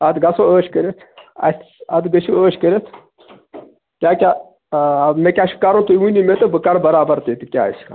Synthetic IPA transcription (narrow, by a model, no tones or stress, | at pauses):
ɐd̪ɡɐsooːʃkɐɾet̪ʰɐ̰t̪ɐd̪ɡɐʃʰioːʃkɐɾet̪ʰ | kʲaːkʲa | mekʲaʃi̥kaɾõt̪uunimet̪ɨbɨkaɾbɐɾaːbɐɾt̪et̪ikʲa̰ːskʰa̰